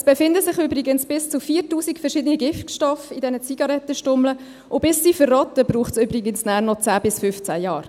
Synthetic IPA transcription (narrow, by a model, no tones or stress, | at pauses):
sb̥efɪndəsɪχøbɾɪɡənsb̥ɪst͡sufiːɾtuːsikfɛɾʃɪdəniɡɪftʃtɔfidɛnət͡siɡ̥ɑɾɛt̪ːəʃtʊmlə | ʔʊb̥ɪsːiːfərːɔt̪əbɾuːχtsøbɾɪɡənsnæːɾnɔt͡sæːbɪsfʏft͡sæjɑːɾ